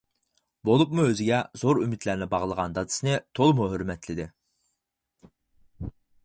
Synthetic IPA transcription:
bolˠupmuøzɪɡʲɛzoɾymit̪læɾnɪbɑʁlˠəʁɑnd̪ɑd̪ɨ̥sɨnɨt̪ʰolˠmuɦøɾmɛt̪ʰlɪd̪ɪ

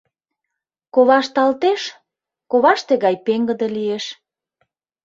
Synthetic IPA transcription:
koβɑʃt̪ɑlt̪eʃ | koβɑʃt̪eɣɑjpeŋɡə̆d̪elieʃ

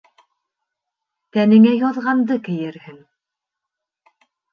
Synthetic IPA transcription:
t̪ænɘ̆ŋæjɒðʁɑnd̪ɤkɘ̆jɘɾhɘŋ

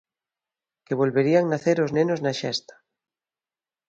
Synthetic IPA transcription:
keβ̞olβeɾiaŋnaθeɾoznenoznaʃɛ̰st̪ḁ

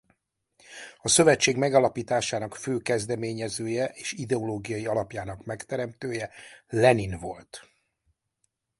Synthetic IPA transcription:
ɒsø̞vɛt͡ʃːeːɡmɛɡɒlɒpiːt̪aːʃaːnɒkføːkɛzd̪ɛmeːɲɛzøːjɛʔeːʃid̪ɛoloːɡijɒjiɒlɒpjaːnɒkmɛkt̪ɛɾɛmt̪øːjɛlɛninvo̞̰lt̪

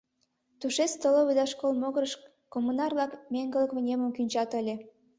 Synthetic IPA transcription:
t̪uʃet͡st̪oloβed̪ɑʃkolmoɣəɾəʃ | komːunɑrlɑkmʲeŋɡə̆ləkβə̆nʲemə̆mkynʲt͡ɕɑt̪əlʲe

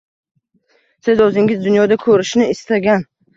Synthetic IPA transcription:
sɪzɵzɪŋʲɪzd̪ʊnjɒd̪akʰɵɾɪʃnɪɪst̪aɡʲan

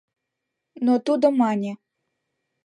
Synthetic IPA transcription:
nɔt̪ud̪ɔmɑnʲi

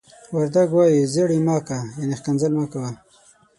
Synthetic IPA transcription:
waɾd̪aɡwɑjizeɽimɑːkajanexkanzalmakawa

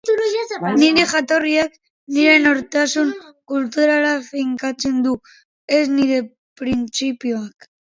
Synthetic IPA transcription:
niɾexat̪oɾiak | niɾenoɾt̪asuŋkult̪uɾalafiŋkat͡se̞nd̪u | ezniɾe | pɾint͡sipjoak

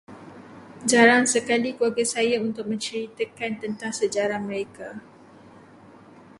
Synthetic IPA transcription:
d͡ʒaɾaŋsəkalikuaɡasajaunt̪ʊk̚mə̃ɲt͡ʃəɾit̪akant̪ənt̪aŋsəd͡ʒaɾahməɾeka

